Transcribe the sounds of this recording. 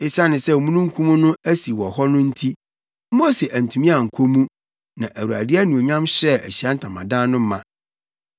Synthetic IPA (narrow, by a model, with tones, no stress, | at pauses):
e˦sa˦nɪ̃˨sɛ˦˨mũ˦nũ˦ŋ̩˦kʰũ˦mũ˦nʊ̃˦æ˦si˨wɔ˨hɔ˦nʊ̃˦n̩˦tʰi˦ | mo˦sɛ˨ʔæ˨n̩˨tʰũ˨mĩ˦a˨ŋ̩˨kʰo˦mũ˦ | nã˨ʔæ˨wu˨a̰˨dɪ˦æ˦nũ˨o˨ɲã˦mɕɛ˦æ̰˨ɕi˨a˦n̩˦tʰã˨mã˨dã˦nʊ̃˦mã̰˨